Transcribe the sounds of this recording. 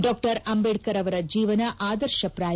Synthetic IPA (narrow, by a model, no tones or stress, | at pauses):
ɖoːk̚ʈɐɾɐmbeɽkɐɾɐʋɐɾɐd͡ʒiːʋɐnɐʔaːd̪ɐɾʃɐpɾaː